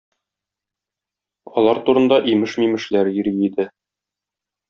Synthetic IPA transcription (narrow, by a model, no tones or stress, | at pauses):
ɒlˠɑɾt̪uɾɤ̆nd̪ɑʔimɘʃmimɘ̆ʃlæɾĭɾid̪ɘ